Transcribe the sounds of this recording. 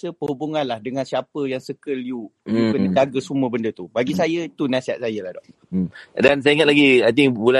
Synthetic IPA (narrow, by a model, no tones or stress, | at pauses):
səpəhubuŋanlahdəŋãnsiapəjaŋsəkəliumukənd͡ʒaɡəsuməbəndət̪ubaɡisajəit̪unasiɦat̪sajəlahdɔʔ | dans̬ajiŋat̪̚laɡiajt̪iŋbula